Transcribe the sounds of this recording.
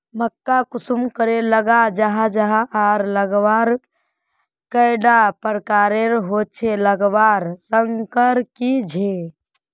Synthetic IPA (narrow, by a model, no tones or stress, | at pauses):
məkːakusumkəɾeləɡad͡ʒaɦad͡ʒaɦaʔaɾləɡʋaɾ | kəjɖapəɾkaɾeɾɦot͡ʃʰeləɡbaɾsəŋɡkəɾkid͡ʒʱe